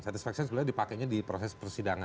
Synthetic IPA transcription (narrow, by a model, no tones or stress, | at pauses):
sat̪isfak̚siɔnsblardipakaɲadipɾosɛspərsidaŋa